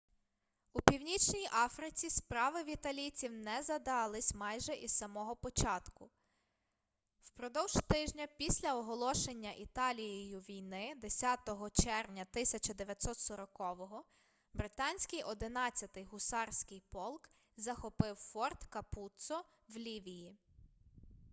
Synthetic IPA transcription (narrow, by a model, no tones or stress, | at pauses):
upʲiwnʲit͡ʃnʲijʔɑfɾɪt͡sʲispɾɑʋɪwit̪ɐlʲit͡sʲiwnɛzɐd̪ɑlˠɪsʲmɑjʒɛʔizsɐmɔɦɔpɔt͡ʃɑt̪kʊ | wpɾɔd̪ɔwʒt̪ɪʒnʲɐpʲisʲlʲɐɔɦɔlˠɔʃenʲːɐʔit̪ɑlʲijijʊʋʲijnɪd̪esʲɑt̪ɔɦɔt͡ʃɛrʋnʲɐt̪ɪsʲɐt͡ʃɐd̪eʋʲjɐt̪sɔt̪sɔɾɔkɔʋɔɦɔ | bɾɪt̪ɑnʲsʲkɪjʔɔd̪ɪnɑt͡sʲːɐt̪ɪjɦʊsɑrsʲkɪjpɔlˠk | zɐxɔpɪwfɔrt̪kɐput̪sɔ | wlʲiʋʲiji